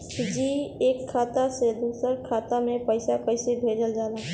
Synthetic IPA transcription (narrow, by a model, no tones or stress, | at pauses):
d͡ʒiːeːkʰːaːt̪ased̪uːsəɾkʰaːt̪amẽpəɪsapəɪsebʱeːd͡ʒəld͡ʒaːlaː